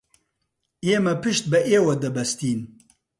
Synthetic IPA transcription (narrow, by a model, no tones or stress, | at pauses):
eːmɛpɨʃt̪̚bɛʔeːwɐd̪ɛbɛst̪iːn